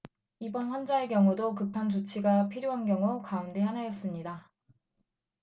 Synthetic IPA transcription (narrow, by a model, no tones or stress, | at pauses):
ibʌnɸwʌnd͡ʑaekjʌŋudokɯpʰant͡ɕot͡ɕʰiɡapʰiɾjoɦanɡjʌŋukaunde̞hanajʌs͈ɯmɲida